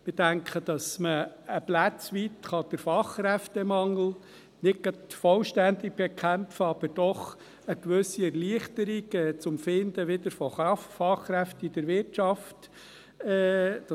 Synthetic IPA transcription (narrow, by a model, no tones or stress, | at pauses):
mɪd̥æŋkʰχəd̥̪ɑsməːplæt͡sʋit̪χɑd̥̪əɾfɑχːɾɛftɛmɑŋl̩ | nɪɡ̚ɡ̥ɑtfɔlʃtænd̪ik̚b̥ɛkʰæmfəɑb̥əɾd̥ɔχ | əkʋɵsiɛɾliəχt̪əɾiɡɛt͡sʊmfɪnd̪əʋɪd̪əɾfɔɑffɑχːɾɛft̪əid̥̪əɾʋɪɾtt͡ʃɑft | ɛd